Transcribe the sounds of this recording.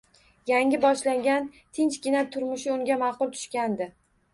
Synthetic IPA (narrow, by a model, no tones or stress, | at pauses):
jaŋɡʲɪbɒʃlaŋɡʲan | t̪ʰɪnt͡ʃkʲɪnap̚t̪ʰʊɾmʊʃɪʊŋɡʲamɑqʊlˠt̪ʰʊ̥ʃkʲand̪ɪ